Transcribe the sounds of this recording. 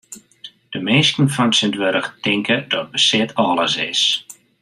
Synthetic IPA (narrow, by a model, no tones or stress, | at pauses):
d̥əmeːskən̩fɔnsɪndʋøɾəxtɪŋkədɔt̚bəsɪtʰɔːlˠəsɪ̰s